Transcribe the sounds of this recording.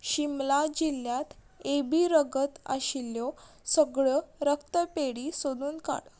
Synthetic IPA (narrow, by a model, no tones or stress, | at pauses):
ɕimlad͡ʑiljat̪ | ebiːɾəɡət̪a̰ɕilːjɔ | səɡɭəɾəkt̪əpeɽisod̪uːnka̰ɽ